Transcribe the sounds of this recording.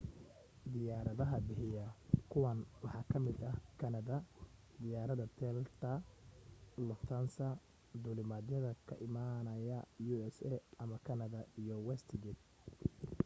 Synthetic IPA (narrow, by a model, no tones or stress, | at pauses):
d̪ɪjaːɾɐðɐɦɐbɪħɪjɐkʰʊwɐnwɑħɑːkʰɐmɪd̪ɐhkʰɐnɐðɐ | d̪ɪjaːɾɐðɐt̪ʰɛlt̪ʰɐ | lɔt̪ʰɐnsɐ | d̪ulɪmad̪jɐðɐkʰɐ̰ʔɪmanɐjɐjuɛsɛʔɐmɐkʰɐnɐðɐijɔwɛst̪ʰɡɛd̪̚